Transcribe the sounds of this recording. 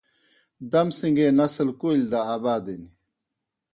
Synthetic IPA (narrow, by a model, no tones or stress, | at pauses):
d̪ɐmsiŋɡeːnɐslkulʲd̪aaːbaːd̪ini